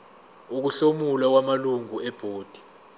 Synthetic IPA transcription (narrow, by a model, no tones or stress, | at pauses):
uk̬uɬomulak̬wamaluŋuɛb̥ʱoːd̥ʱi̥